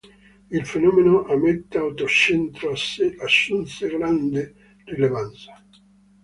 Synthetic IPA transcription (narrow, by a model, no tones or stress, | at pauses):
ilfenɔmenoʔamːet̪ːeawt̪ot͡ʃent̪ɾosasːunt̪seɡɾand̪e | rilevant̪sḁ